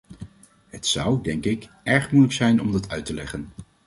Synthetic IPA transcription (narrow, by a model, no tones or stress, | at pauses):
ɦətsʌwdɛŋkɪkʔɛɹχmujləksɛjnɔmdɑtʰœɥtəlɛχən